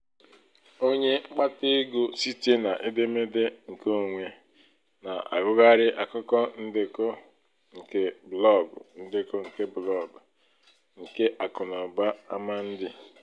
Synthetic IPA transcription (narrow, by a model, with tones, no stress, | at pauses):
o˦ɲe˦ŋ͡m̩˦k͡pa˦te˦ɡo˦si˦te˦na˨ʔe˦de˦me˦de˦ŋ̩˨ko˦˨ŋʷe˦ | na˨ʔa̰˨ɡʊ˦ɡa˦ɾɪ˦ʔa˨kʊ˦kɔ˦n̩˦dɪ˦ko˦ | ŋ̩˨ke˦blɔ˦˨ɡʊ̰˨n̩˦dɪ˦ko˦ŋ̩˨ke˦blɔ˦˨ɡʊ˨ | ŋ̩˨ke˦ʔa˨kʊ˨nɔ˨ba˦a˦ma˦n̩˦dɪ˦